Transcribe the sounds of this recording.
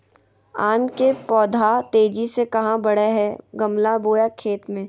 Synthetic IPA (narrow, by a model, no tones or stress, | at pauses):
aːmkepɔːd̪ʱat̪eːd͡ʒisekɐɦãbɐɽeɦɛːɡɐmlaboːjakʰeːt̪mẽː